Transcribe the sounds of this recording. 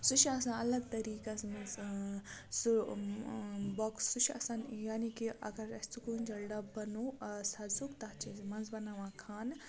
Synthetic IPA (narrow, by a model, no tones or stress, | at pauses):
sut͡ʃʰɐsãnɐlɐɡ̚t̪ɐɾiːkɐsmɐnz | su | bɔksut͡ʃʰɐ̰sanjaːnikiʔɐ̰ɡɐɾɐsʲt͡sukund͡ʒɐlɖɐbɐnoːsɐzukt̪ɐt͡ʃizmɐnzbɐnaʋãːkʰaːn